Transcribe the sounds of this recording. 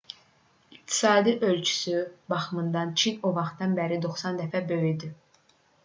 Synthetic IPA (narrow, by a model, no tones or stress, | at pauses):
iq̚t̪ʰi̥sɑːd̪iʔø̞lt͡ʃʰy̥sybɑχmɯnd̪ɑnt͡ʃʰinovɑχt̪ɑnbæɾid̪o̞χsɑnd̪æfæbø̞jid̪i